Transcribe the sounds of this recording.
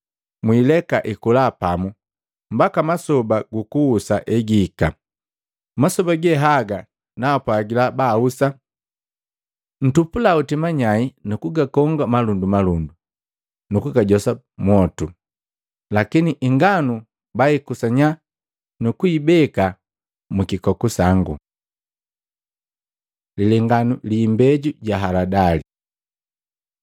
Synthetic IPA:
mwiːlɛkaʔikulapamu | mbakamasɔbaɡukuːsaʔɛɡiːka | masɔbaɡɛɦaɡa | napwaːɡilabaːusa | n̩tupulautimaɲainukuɡakɔŋɡamalundumalundu | nukuɡaɟɔsa | mwɔtu | lakiniʔiŋɡanu | baikusaɲa | nukuibɛka | mukikɔkusaŋɡu | lilɛŋɡanuliːmbɛɟuɟaɦaladali

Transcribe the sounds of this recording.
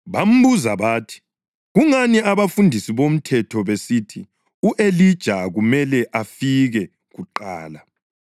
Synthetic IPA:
βam̩βuzaβaːtʰi̥ | ɣuŋaniaβafundʱisiβom̩tʰɛtʰɔβesiːtʰi | uʔelid̥ʒ̥ʱaɣumɛlɛʔafiɣɛ | ɣuǃa̰ːla

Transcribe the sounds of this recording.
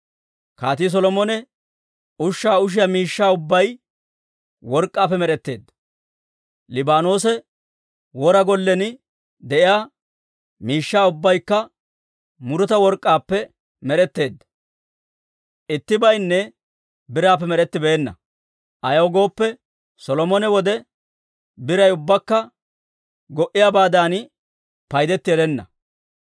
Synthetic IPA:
kaːt̪is̬ɔlɔmɔnɛ | ʊʃːaːʊʃ̬ɪjamiːʃːaːʊbːɐj | wɔɾkʼːaːpːɛmɛɾɛt̪ːe̞ːd̪ːɐ̥ | lɪbaːnoːsɛ | wɔɾɐɡɔlːɛnɪ | d̪ɛʔɪjaː | miːʃːaːʊbːɐjkːɐ | mʊɾʊt̪ɐwɔɾkʼːaːpːɛ | mɛɾɛt̪ːe̞ːd̪ːɐ̥ | ʔɪt̪ːɪbɐjnːɛ | bɪɾaːpːɛmɛɾɛt̪ːɪbeːnːɐ̰ | ʔɐjɐwɡo̞ːpːɛ | sɔlɔmɔnɛwɔd̪ɛ | bɪɾɐjʊbːɐkːɐ | ɡɔʔɪjaːbaːd̪aːn | pɐjd̪ɛt̪ːɪjɛd̪ɛnːɐ̰

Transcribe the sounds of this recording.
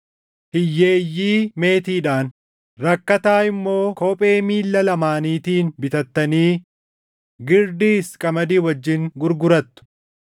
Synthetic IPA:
hɪjːeːjːiːme̞ːt̪iːᶑaːn | ɾɐkːɐt̪aːɪmːo̞ːkoːpʼe̞ːmiːlːɐlɐmaːniːt̪iːnbɪt̪ɐt̪ːɐniː | ɡɪɾd̪iːskʼɐmɐd̪iːwɐd͡ʒːɪŋɡʊɾɡʊɾɐt̪ːʊ̥

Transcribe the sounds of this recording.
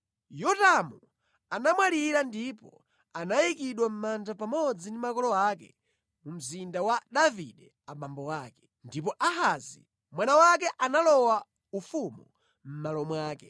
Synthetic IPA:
jɔtamu | anamwaliɾandipɔ | anajikiɗwam̩mand͡ʒapamɔd͡zindimakɔlɔakɛ̰ | mum̩zindawaɗavḭɗɛ | amambɔwaːkɛ̥ | ndip̬ɔʔaɦazḭ | mwanawak̬ɛʔanalɔwa | ufumu | m̩malɔmwaːkɛ

